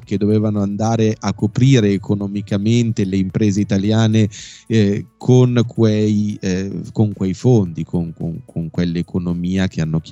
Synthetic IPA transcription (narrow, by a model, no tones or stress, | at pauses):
ked̪ːoveːvanoand̪aːɾeʔakːopɾiːɾeːkʰonomikament̪eleimpɾeːzeit̪aljaːne | kʰonkwej | koŋkwejfond̪ikʰoŋko̰ŋkʰoŋkwelːekonomiːak̟ʰeanːok̟